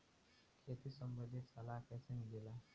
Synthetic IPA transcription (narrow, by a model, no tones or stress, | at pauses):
kʰet̪isəmbəd̪ʱisalakɛsenɡila